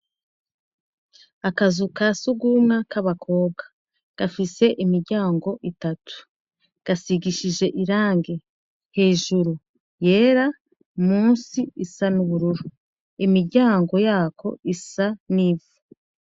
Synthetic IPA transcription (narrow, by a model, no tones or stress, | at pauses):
akazukasuɡumŋakaβakʰo̞ːb̚ɡa | ɡ̥afise̞ʔimiɾɟaːŋɡo̞ʔitatʰu̥ | ɡ̥asiɡiʃiʒe̞ʔiɾaːŋɡe̞ | he̞ːʒuɾu | je̞ːɾa | muːnsiisanuβuɾuɾu | imiɾɟaːŋɡo̞jaːko̞̰isanivu̥